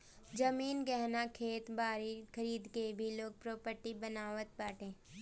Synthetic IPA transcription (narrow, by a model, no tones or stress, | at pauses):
d͡ʒəmiːnɡɛɦnakʰeːt̪baːɾikʰɐɾiːd̪kebʱiloːɡ̚pɾoːpəɾʈibənaːʋət̪̚baːʈẽː